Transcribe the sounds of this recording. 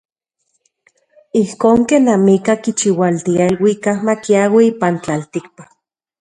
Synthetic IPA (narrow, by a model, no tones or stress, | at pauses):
ihkoːŋkenːamikakit͡ʃiwalt̪iaelwikahmakiawiipant͡ɬalt̪ik̚pa